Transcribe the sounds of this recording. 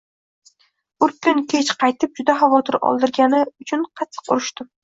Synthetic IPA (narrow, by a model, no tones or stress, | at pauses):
ʊɾkʲʊnkʲʰe̞t͡ʃqʰɑjt̪ʰɪp̚d͡ʒʊd̪aχavɒt̪ʰɪɾɒ̰lˠd̪ɪɾɡʲanɪʊt͡ʃʰʊnqʰɑt̪ʰːɨ̥qʊɾɪʃt̪ɪ